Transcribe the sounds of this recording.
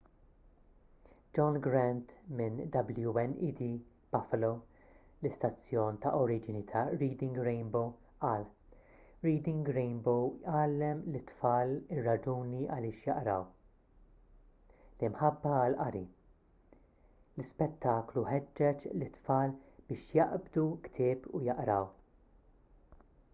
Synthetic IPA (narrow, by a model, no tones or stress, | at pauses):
d͡ʒɔnɡɾɛnt̪mɪnd̪ɐbljuɛnid̪i | b̥ɐfɐlow | lɪst̪ɐt͡sːjɔːnt̪ɐʔɔɾiːd͡ʒɪnit̪ʰɐɾiːd̪ɪŋɡɾejnbow | ʔɐːl | ɾiːd̪ɪŋɡɾɛjnbowjʔɐːlːɛmlɪt̪fɐːlɪrːɐd͡ʒuːniɐ̰lɪːʃjɐʔɾɐw | lɪmħɐbːɐɐlʔɐɾi | lɪspɛt̪ʰːɐːkluhɛd͡ʒːɛt͡ʃlɪt̪ːfɐːlb̥ɪːʃjɐʔbd̪ukt̪ʰɪːpujɐʔɾɐw